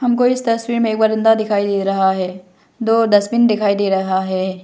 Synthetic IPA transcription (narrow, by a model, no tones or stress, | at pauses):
ɦɐmkoɪst̪ɐswiːɾmẽeːk̚baːɾɪ̃nd̪ad̪ɪkʰaːid̪eːɾɐɦaɦɛː | d̪oːd̪ɐsmind̪ɪkʰaːid̪eːɾɐɦaɦɛː